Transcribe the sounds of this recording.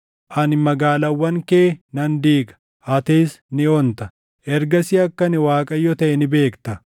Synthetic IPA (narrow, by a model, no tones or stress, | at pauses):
ʔɐnmɐɡaːlɐwːɐŋkeːnɐnd̪iːɡɐ̥ | ʔɐt̪eːsnɪɔnt̪ɐ | ʔɛɾɡɐsɪɐkːɐnɪwaːkʼɐjːɔt̪ɐʔɛnɪbe̞ːkt̪ɐ